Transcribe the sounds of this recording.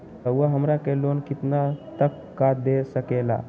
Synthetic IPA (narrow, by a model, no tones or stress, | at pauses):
əwəɦəmɾakelonkit̪nat̪əkːad̪esəkela̰